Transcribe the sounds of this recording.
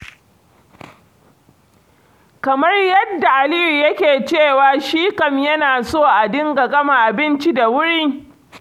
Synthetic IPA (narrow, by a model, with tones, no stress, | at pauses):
kɐ˨mɐ˦rjɐ˦dːa˨ʔa˨liː˦ɾi˨jɐ˦kʲeː˨t͡ʃeː˦˨waː˨ʃiː˦kɐ˦mjɐ˦naː˨soː˦˨ʔa˨dɪ˦ŋɡa˨ɡɐ˦ma˨ʔa˨bɪ˦nt͡ʃi˦da˨wʊ˦ɽiː˦